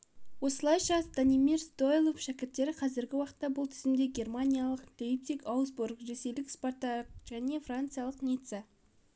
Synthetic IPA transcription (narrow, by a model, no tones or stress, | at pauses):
wo̞səlˠɑjʃɑsd̪̥animirst̪o̞jlˠofʃækʲɪɾt̪ːe̞ɾɪqʰɑzɪɾɡʲɪwɑqə̥t̪ːɑbʊlˠt̪ʰʏzɪmd̪eɡʲe̞rmanʲijalˠəqd̪̥ʲeip̚t̪ikɑwzbuɾkʒeselɪkspo̞rt̪ɑk̚ʒ̥æne̞frant̪sɨjalˠəqnʲijt̪se